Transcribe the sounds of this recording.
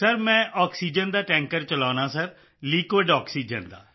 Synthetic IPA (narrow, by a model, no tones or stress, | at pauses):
səɾmɛ̃ːʔɔːksiːd͡ʒənd̪aːʈɛ̃ːŋkəɾt͡ʃəlaːnãːsəɾ | liːkʋɪɖɔːksiːd͡ʒənd̪a̰ː